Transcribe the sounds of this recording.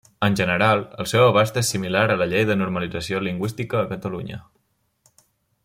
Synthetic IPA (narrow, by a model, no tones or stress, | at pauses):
ənʲʒənəɾalˠə̰lˠsɛwəβ̞ast̪esimilaɾələʎejðənuɾməlid͡zəsioliŋɡwist̪ikəːkət̪əluɲə̰